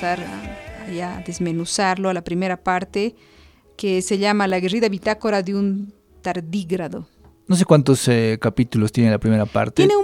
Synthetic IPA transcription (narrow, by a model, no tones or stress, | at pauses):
aɾaaʝaðezmenusaɾloalapɾimeɾapaɾt̪e | keseʎamalaɣeriðaβit̪akoɾaðeun | t̪aɾd̪iɣɾaðo | nos̬e̞kwant̪osekapit̪ulost̪jenelapɾimeɾapa̰ɾt̪jeeneu